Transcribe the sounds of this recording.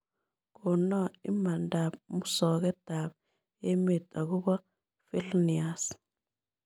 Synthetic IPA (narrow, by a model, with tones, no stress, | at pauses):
kɔ˨nɔ˦ḭ˦ma˨nda˨pmu˦sɔ˨kɛ˦ta˨b | e˦me˨tʼa˨ku˦bɔ˦ | fi˦lni˨a˨s